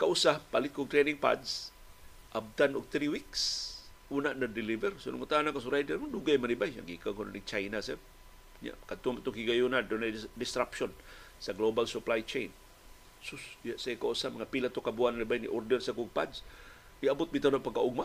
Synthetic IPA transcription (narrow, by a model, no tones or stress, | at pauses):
kaʔusahpalɪt̪̚koɡ̚t̪ɾɛnɪŋpa̰ds | ʔab̚t̪anʊɡ̚t̪ɾiwiks | ʔunaʔnad̪ɪlivɛrsʊnʊ̰mat̪anakas̬ʊɾajdɛɾmʊd̪uɡajmanibaja̰ɡikaŋkonanit͡ʃajnasɛb̚ | ɲa̰ʔkat̪ʊmat̪ʊŋkiɡajunand̪onajdɪst̪ɾapʃonsaɡlobalsʊplajt͡ʃejn | sʊsjaʔsaikaʔusamɐŋapilat̪okabuananibajnḭʔoɾdɛɾsakʊɡ̚pa̰d̪s | iabʊt̪̚bit̪anapaɡkːaʔʊɡ̚ma